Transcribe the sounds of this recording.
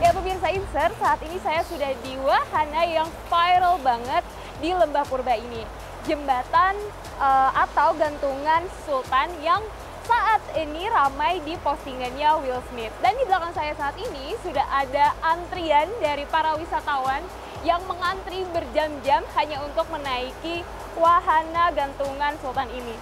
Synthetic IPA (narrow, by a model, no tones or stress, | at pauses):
japəmirs̬ainsərsaːt̪inisajasudahdiwahanajaŋfajɾəlbaŋət̪̚ | diləmbahkurbaini | d͡ʒəmbat̪an | əat̪awɡant̪uŋansult̪anjaŋ | saʔat̪iniɾamajdipost̪iŋanɲawilsmɪt̪̚dandiblakansajasaːt̪inisudaɦadaʔːnt̪ɾiandaɾipaɾawisat̪awan | jaŋməŋant̪ɾibərd͡ʒamd͡ʒamhaɲaunt̪ʊk̚mənaiki | waɦanaɡant̪uŋansult̪anini